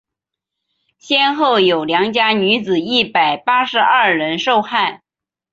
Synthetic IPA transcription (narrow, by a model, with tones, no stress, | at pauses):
ɕjɛ˥nxo˥˩ʊjo˨˩ʊljɑ˧˥ŋt͡ɕja˥ny˧˥t͡sɹ̩˨˩i˥˩pa˨˩ɪpa˥ʂɻ̩˧˥ɐ˥˩ɻə˧˥nʂo˥˧ʊxa˥˩ɪ